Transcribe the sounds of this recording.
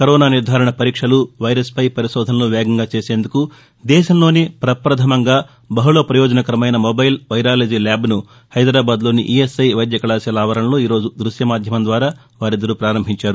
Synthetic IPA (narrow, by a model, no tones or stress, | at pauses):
kɐɾɔːnaːniɾd̪ʱaːɾɐɳɐpɐɾiːkʂɐluʋɐjɾɐspɐjpɐɾiʃɔːd̪ʱɐnɐloːʋɛːɡɐŋɡaːt͡ʃe̞ːse̞ːnd̪uku | d̪ɛːʃɐmlo̞ːnipɾɐpɾɐd̪ʰʱɐmɐŋɡaː | bɐɦuloːpɾɐjɔːd͡ʒɐnɐkɐɾɐmɐjnɐmobɐjlʋɐjɾaːlid͡ʒilaːbnu | hɐjd̪ɾaːbaːd̪lo̞ːnḭʔiesɐjʋɐjd̪jɐkɐɭaːsjɐlaːʋɐɾɐnlo̞ːiːɾo̞ːd͡ʒud̪ɾuʃjɐmaːd̪ʱjɐmɐnd̪ʋaːɾaː | ʋaːɾid̪ːɐɾupɾaːɾɐmbʱiɲt͡ʃaːɾu